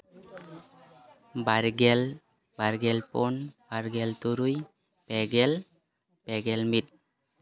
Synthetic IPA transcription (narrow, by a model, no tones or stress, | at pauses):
baɾɡɛl | baɾɡɛlpɔnbaɾɡɛlt̪uɾuj | pɛɡɛl | pɛɡɛlmit̚